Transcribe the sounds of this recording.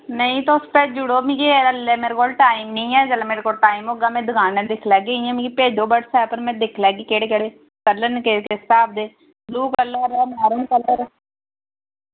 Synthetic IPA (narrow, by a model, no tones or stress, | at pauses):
nəĩːt̪ospɛːd͡ʒʊɽoːmĩːkeəlːɛːmeːɾekoːlʈaːimnĩːɛːd͡ʒəlameːɾekoːlʈaːimoːɡaːmɛ̃ːd̪ʊɡʰaːnɛ̃ːd̪ɪkʰlɛːɡeːĩɛ̃ːmĩːkipeːd͡ʒoːbəɽsɛːpəɾmɛ̃ːd̪ɪkʰlɛːɡeːkeːɽeːkəɽeː | kəlːənkekest̪aːbd̪eː | d̪uːkəlːəɾɛːmaːɾənkələɾ